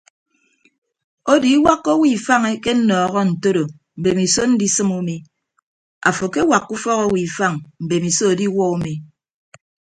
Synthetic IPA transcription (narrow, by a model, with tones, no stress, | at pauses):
o˦di˨˦wa˦kːo˦wi˦˨fa˦ŋe˦ke˦n̩˦nɔː˨ɣɔ˦n̩˨to˦ɾo˨ | m̩˨be˨mi˨so˦n̩˦di˦sɨ˦mu˦mi˦ | a̰˨fo˨ke˦wa˨kːu˦fɔ˦ɣo˦wi˨fa˦ŋm̩˨be˨mi˨so˦o˨di˦wɔ˦u˦mi˨